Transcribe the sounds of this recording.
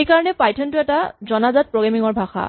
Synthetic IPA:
ejkaɹɔnɛpajtʰɔntʊɛtazɔnazat̚pɹoɡamiŋɔɹbʱaxa̰

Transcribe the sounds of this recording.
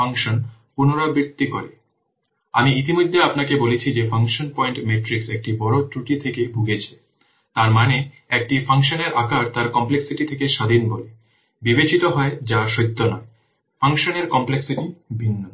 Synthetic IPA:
aŋʃonpunoɾobɾit̪ːikoɾe | a̰miit̪imod̪ʱːeapnakebolet͡ɕʰid͡ʑefʰaŋʃonpɔjɳʈmeʈɾiksek̚ʈibɔɾotɾuʈit̪ʰekebʱuɡet͡ɕʰe̥ | t̪aɾmane | ek̚ʈifʰaŋʃoneɾʔakaɾt̪aɾkɔmpleksiʈit̪ʰekeʃad̪ʱinbole | bibet͡ɕit̪oɦɔed͡ʑaʃojt̪ʰːonɔe | fʰaŋʃoneɾkɔmpleksiʈibʱinːo

